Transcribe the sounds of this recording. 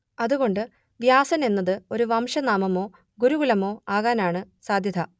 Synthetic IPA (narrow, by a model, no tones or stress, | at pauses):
ɐðuɣo̞ɳɖɨ | ʋjaːsɐne̞nːɐðɨo̞ɾuʋɐmʂɐnaːmɐmo̞ː | ɡuɾuɣulɐmo̞ːaːɣaːnaːɳɨsaːd̪ʱjɐt̪ʰɐ